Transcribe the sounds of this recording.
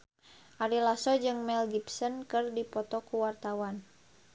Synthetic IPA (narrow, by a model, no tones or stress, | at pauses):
ʔaɾilasɔd͡ʒɨŋmɛlɡipsɔnkɨrdipɔt̪ɔkuwart̪awan